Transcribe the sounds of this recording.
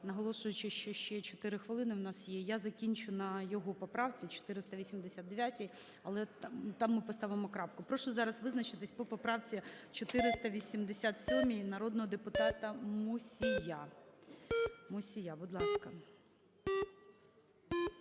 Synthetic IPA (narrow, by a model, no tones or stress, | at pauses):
nɐɦɔlˠɔʃʊjʊt͡ʃɪʃt͡ʃɛʃt͡ʃɛt͡ʃɔt̪ɪɾɪxʋɪlˠɪnɪwnɑsjɛjazɐkʲinʲt͡ʃʊnɐjɔɦɔpɔpɾɑwt͡sʲit͡ʃɔ̥t̪ɪɾɪst̪ɐʋʲisʲimd̪esʲat̪̚d̪eʋʲjatʲij | ɐlˠɛt̪t̪ɑmːɪpɔst̪ɑʋɪmɔkɾɑpkʊpɾɔʃɔzɑɾɐsʋɪznɐt͡ʃɪt̪ɪsʲpɔpɔpɾɑwt͡sʲit͡ʃɔt̪ɪɾɪst̪ɐʋʲisʲimd̪esʲat̪sʲɔmʲinɐɾɔd̪nɔɦɔd̪epʊt̪ɑt̪ɐmʊsʲija | mʊsʲijabʊd̪lˠɑskɐ